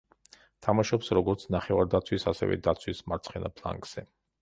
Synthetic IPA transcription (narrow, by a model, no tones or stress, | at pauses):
t̪ʰamaʃɔpsɾɔɡɔɾt̪sʰnaχɛvaɾd̪at̪sʰwisasɛ̰vɛ̰d̪at̪sʰwismaɾt̪sʰχɛnapʰlˠa̰ŋkz̥ɛ